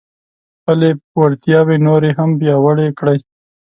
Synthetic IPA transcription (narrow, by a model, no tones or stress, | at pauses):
xpəlewaɾt̪jɑwenoɾeɦampjɑwəɽekɽaj